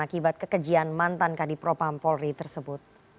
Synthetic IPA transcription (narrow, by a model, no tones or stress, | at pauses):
akibat̪̚kəkəd͡ʒianmant̪ankadipɾopampɔlrit̪ərsəbʊt̪̚